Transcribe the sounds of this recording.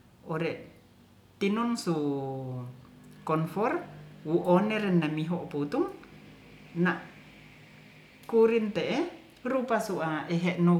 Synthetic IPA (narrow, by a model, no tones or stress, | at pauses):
oɾɛʔ | t̪inunsu | kɔnfɔrwuʔoneɾɛnːamiɦoʔput̪uŋ | naʔ | kuɾint̪eʔe | ɾupasuʔaeɦɛʔnu